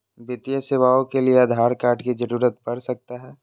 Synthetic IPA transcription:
bɪt̪ijəseːʋaːõkelieɐd̪ʱaːɾkaːɾʈkid͡ʒəɾuːɾət̪̚pɐɾsɐk̚t̪aɦɛː

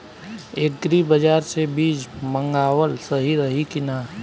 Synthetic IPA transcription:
eːk̚ɡɾibəd͡ʒaːɾsebiːd͡ʒmə̃ŋɡaːwəlsəɦiɾəɦikɪnaː

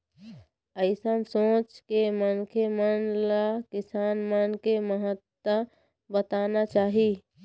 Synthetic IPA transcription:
əɪsənsõːt͡ʃkemənkʰemənlakɪsaːnmənkeməɦət̪wə | bət̪aːnat͡ʃaːɦi

